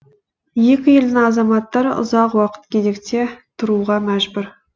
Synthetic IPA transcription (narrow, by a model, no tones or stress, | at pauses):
je̞kʲɪje̞ld̪ɪŋɑzɑmɑt̪ːɑɾəʊ̰zɑqwɑqə̥t̪̚kʲʰed̪e̞kt̪e̞t̪ʰʊɾuʁɑmæʒbʊɾ